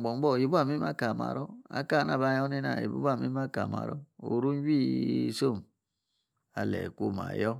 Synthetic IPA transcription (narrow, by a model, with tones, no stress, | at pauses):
bo˨m˦bo˦˨ji˨˦ba˦˨mi˦m˦a˦ka˨ma̰˨ɾo˦a̰˦ka˦˨na˨ba˨˦jo˦ni˦na̰˨ḭ˨bṵ˦a˦˨mi˦m˦a˦ka˨ma̰˨ɾo˦o˨ɾu˦n˦bi˦˨so˦˨m | a˨lḛ˨ku˦ma̰˨jo˦